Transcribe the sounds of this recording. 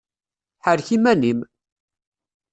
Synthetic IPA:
ħəɾçimænim

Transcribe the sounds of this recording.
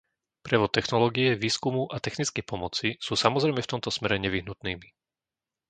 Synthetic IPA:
pɾɛʋɔt̪ːɛxnɔlɔːɡiɛʋiːskumuʔat̪ɛxnit͡skɛjpɔmɔt͡sisuːsamɔzɾɛɪmɛft̪ɔmt̪ɔsmɛɾɛɲɛʋiɦnut̪niːmi

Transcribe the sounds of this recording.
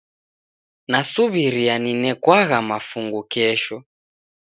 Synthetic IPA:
nasuβiɾianinɛkwaɣamafuŋɡukɛʃɔ

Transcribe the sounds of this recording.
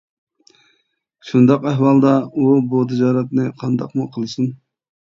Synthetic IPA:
ʃund̪ɑqæhwɑlˠd̪ɑubut̪ʰɪd͡ʒɑːɾɛt̪nɪqʰɑnd̪ɑ̰qmuqʰəlˠɨsɨn

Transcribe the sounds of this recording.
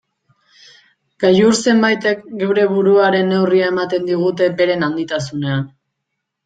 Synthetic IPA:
ɡ̥ajuɾse̞mbajt̪e̞kɡe̞wɾe̞βuɾuaɾe̞nːe̞wriae̞mat̪e̞nd̪iɣ̞ut̪e̞be̞ɾe̞nand̪it̪asune̞an

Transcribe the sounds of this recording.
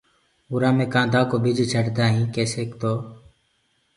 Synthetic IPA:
ʊɾãːmẽːkãːd̪aːkoːbɪd͡ʒʱit͡ʃʰəʈd̪aːɦĩːkeːseːkt̪oː

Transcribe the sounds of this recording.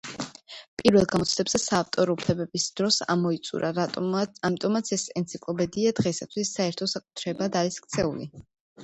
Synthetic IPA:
pʼiɾvɛlˠɡamɔt̪sʰlɛbzɛsaːft̪ʼɔɾɔupʰlɛbɛbisd̪̥ɾɔsa̰mɔit̪sʼṵɾʔaɾamit̪ʼɔmat̪sʰɛsɛnt̪sʰikʼlˠɔbɛd̪iad̪ʁɛsat̪ʰwisːaɛɾt̪ʰɔsakʼu̥t̪ʰɾɛbad̪aɾiskʰt̪sʰɛṵlḭ

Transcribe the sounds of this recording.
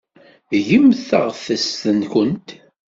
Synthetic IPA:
ʝəmθəʁfəst̪ənkənt̪

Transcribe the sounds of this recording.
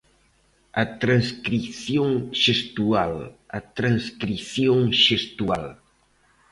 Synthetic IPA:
ɐt̪ɾãnskɾiθjoŋʃest̪ualɐ̰t̪ɾanskɾiθjoŋʃest̪ual

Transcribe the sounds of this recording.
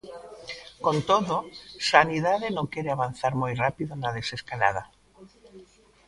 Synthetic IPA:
kõnt̪oðosaniðaðenõkeɾeaβ̞anθaɾmojrapiðonað̞eseskala̰ð̞a

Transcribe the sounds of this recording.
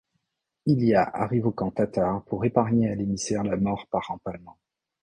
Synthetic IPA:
ilijaʔa̰ʁivokɑ̃t̪at̪aʁpʰuʁepaʁɲealemisɛʁlamɔʁpaʁɑ̃palmɑ̃

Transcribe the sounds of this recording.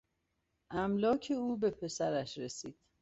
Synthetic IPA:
ʔæmlɒːcʰe̞uːbe̞pʰe̞sæɾæʃɾe̞siːd̪̥

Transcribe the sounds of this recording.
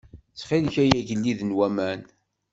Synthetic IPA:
t͡sːχilçæjæʝəlːiðənwæmæn

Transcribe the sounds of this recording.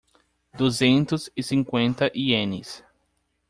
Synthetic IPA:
d̪uzẽnt̪ʊzɪsĩŋkwẽnt̪ɐʔiẽnɪ̰s

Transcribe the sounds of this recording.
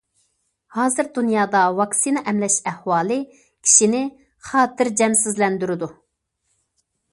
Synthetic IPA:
hɑːzɨɾd̪unjɑːd̪ɑwɑksinɑʔɛmlɛʃɛhwɑːlˠɨ | kʲʰi̥ʃinɪ | χɑːt̪ʰɪɾd͡ʒɛmsɪzlɛnd̪yɾɪd̪u

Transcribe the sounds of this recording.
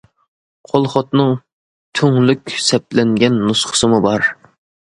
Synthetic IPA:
qʰolˠχɑt̪nɨŋ | t̪ʰøŋlykʲsɛp̚lɛŋɡʲɛnːusχə̥sɨmubɑɾ

